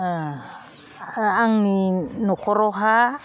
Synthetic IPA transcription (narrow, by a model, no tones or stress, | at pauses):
aŋninokoɾoɦa